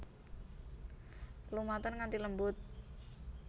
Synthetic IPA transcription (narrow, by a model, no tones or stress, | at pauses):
lumat̪ənŋant̪iləmbʊt̪̚